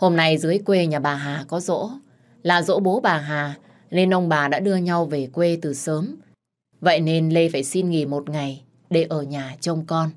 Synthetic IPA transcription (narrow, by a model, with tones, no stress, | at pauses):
ho˧mna˧jzɨ˨˦əjkwe˧ɲaː˨˩ɓaː˨˩ɦaː˨˩kɔ˨˦zo̰˧˥ | laː˨˩zo̰˧˥ɓo˨˦ɓaː˨˩ɦaː˨˩ | ne˧nʔə˧wŋ͡mɓaː˨˩ɗa̰ː˧˥ɗɨ˧əɲa˧wve˨˩kwe˧t̪ɨ˨˩səː˨˦m | və̰˧˨jne˧nlə˧jfaː˧˩jsi˧nŋḭ˧˩mo˨˩t̚ŋa˨˩j | ɗe˧˩ʔəː˧˩ɲaː˨˩t͡ɕə˧wŋ͡mkɔ˧n